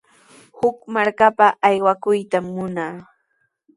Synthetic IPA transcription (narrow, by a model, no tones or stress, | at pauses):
hʊkmaɾkapaʔːjwakʊjt̪amːʊnaː